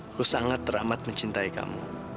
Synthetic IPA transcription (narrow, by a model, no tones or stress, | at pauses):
kʊsaŋat̪ɾaʔmat̪̚mət͡ʃint̪ajka̰mṵ